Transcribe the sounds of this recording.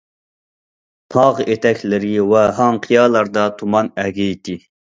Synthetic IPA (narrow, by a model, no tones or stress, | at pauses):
t̪ʰɑʁet̪ʰɛkʲʰlɪɾɪwɛɦɑŋqʰijɑːlˠɑɾd̪ɑt̪ʰumɑnɛɡʲɛit̪ʰɪ